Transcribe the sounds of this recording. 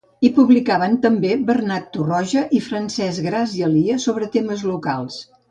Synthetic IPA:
ipuβlikaβənt̪əmbebərnat̪ːurɔʒəʔifɾənsɛzɣɾaziəliəsoβɾət̪eməzluka̰lˠs

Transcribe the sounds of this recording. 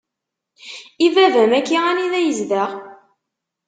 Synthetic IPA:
ivævæmækːiʁæniðæjəzðæʁ

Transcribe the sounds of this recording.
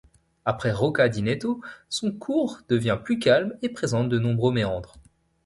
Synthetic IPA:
apχɛʁɔkad̪inet̪osɔ̃kʰuʁd̪̥əvjɛ̃plykʲalmepχezɑ̃t̪̚d̪ənɔ̃bʁømeɑ̃d̪ʁ

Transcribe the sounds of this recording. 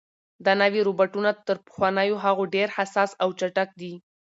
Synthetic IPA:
d̪anawiɾobaʈunat̪əɾpə̥xwɑnəjoɦaɣoɖeɾhasɑsawt͡ʃaʈak̚d̪i

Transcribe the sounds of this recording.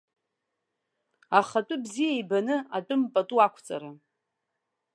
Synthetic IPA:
aχatʼʊbzijajbanɨat͡pʼʊmpʼatʼuakʷʰt͡sʼa̰ɾa

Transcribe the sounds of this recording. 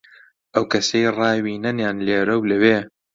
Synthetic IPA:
ʔɐwkɐsejrɑːwiːnɐnjaːnleːɾɐwlɐweː

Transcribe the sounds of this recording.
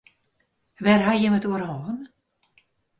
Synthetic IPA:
ʋɛrɦajəmətuəɾɦoːn

